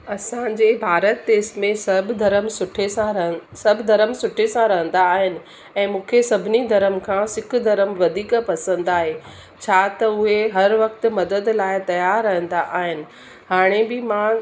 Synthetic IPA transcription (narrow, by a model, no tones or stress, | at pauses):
ɐsãɲ̆d͡ʑeːbʱaːɾət̪ːeːsmẽsɐbʱd̪ʱɐɾəmsʊʈʰesãɾɐɦsɐbʱd̪ʱɐɾəmsʊʈʰesãɾɐɦə̃nd̪aːɦɪnɪ̆ | ɛ̃ːmũːkʰesɐbʱɪnid̪ʱɐɾəmkʰãsɪk̆ʰd̪ɐɾəmʋɐd̪ʱiːkpɐsə̃nd̪aːɦe | t͡ɕʰaːt̪ɐʊɦeɦɐɾʋɐk̚t̪ɪ̆mɐd̪əd̪laːɪt̪ɐjaːɾːɐɦə̃nd̪aʔaːɦɪnɪ̆ | haːɽ̃ebɪmã